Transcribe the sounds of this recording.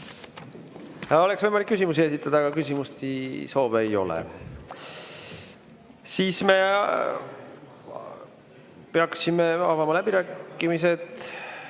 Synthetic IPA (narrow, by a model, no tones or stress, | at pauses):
o̞leksvɤjmɑlikːysimus̬ie̞sit̪ːˑɑd̪̥ɑːɡ̥ɑkysʲimust̪iso̞ːveejo̞̰lḛ | siːsme̞ | peɑksimeɑ̰vɑmɑlæb̥iɾæːkːˑimise̞d̪